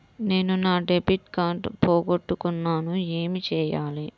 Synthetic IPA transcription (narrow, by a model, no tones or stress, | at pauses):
ne̞ːnunaːɖebiʈkaːɳʈpoːɡoʈːukunːaːnue̞ːmit͡ʃɛːjaːli